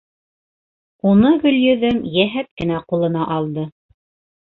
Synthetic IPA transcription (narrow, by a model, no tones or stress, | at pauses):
unɤɡɵ̆ljɵ̆ðɵmjæɦæt̪̚kɘ̆næqulˠɤ̆nɑʔɑlˠd̪ɤ